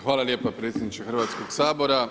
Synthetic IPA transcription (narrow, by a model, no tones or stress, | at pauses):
xʋaːlˠalje̞ːpapɾeːt̪sʲjed̪nit͡ʃexrʋaːt̪sko̞ɡsaːbo̞ɾa